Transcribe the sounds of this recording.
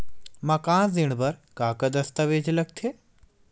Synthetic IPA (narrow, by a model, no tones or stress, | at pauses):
mɐkãːzɪɽ̃bɐɾkaːkɐd̪ɐst̪ɐʋeːd͡ʒlɐɡ̚t̪ʰe